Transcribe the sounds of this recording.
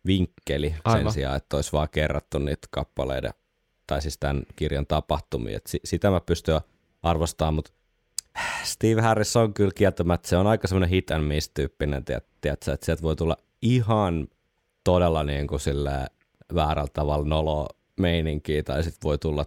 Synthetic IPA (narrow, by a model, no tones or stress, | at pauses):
ʋiŋkːelisḛnsiɑ̰ːet̪ːoisʋɑːkerːɑt̪ːunnḭːt̪kɑpːɑlḛidḛ | t̪ɑisist̪ænkirjɑnt̪ɑpɑht̪umḭːḛt̪sisit̪æmæpyst̪y | ɑrʋost̪ɑːmmut̪ | st̪iːʋhærisːoŋkylkiæt̪æmæt̪seonɑikɑsemːonehit̪ænmist̪yːpːinḛnt̪iæ̰t̪t̪ːiæt̪sæːet̪siælt̪ʋoit̪ulːɑ̰ | ihɑn | t̪odelːɑniːŋkusilːḛː | ʋæːræ̰lt̪ɑʋɑlnolo | meiniŋkiːt̪ɑisit̪ʋoit̪ulːɑ